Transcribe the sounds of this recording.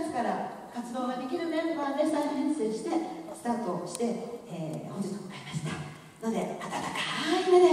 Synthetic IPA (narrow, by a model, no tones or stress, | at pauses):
sɨ̥kaɾa | kat͡sɨd̪o̞ːɡad̪e̞kʲiɾɯ̟d̪ẽkoad̪est̪ahẽse̞ːɕi̥t̪e̞sɨ̥t̪aːt̪o̞ɕi̥t̪e̞eːhod͡ʑit̪okokaɾʲimasi̥ne | no̞d̪e̞at̪at̪akḁimed̪e